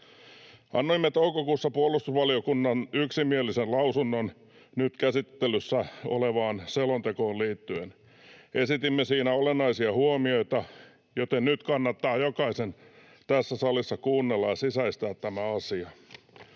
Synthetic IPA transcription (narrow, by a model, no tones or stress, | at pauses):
ʔɑ̰nːoimːet̪oukokuːsːɑpuolːˑust̪usʋɑliokunːɑnyksimielisenlɑusunːon | nyt̪kæsit̪ːelysːæo̰leʋɑːnselont̪ekoːlliːt̪ːyen | ʔesit̪imːesiːnæolenːɑisiɑhuomio̞it̪ɑ | jot̪ennyt̪kɑnːɑt̪ːɑːjokɑisen | t̪æsːæsɑlisːɑkuːnːelːɑjɑsisæist̪æːt̪t̪ːæmæɑsiɑ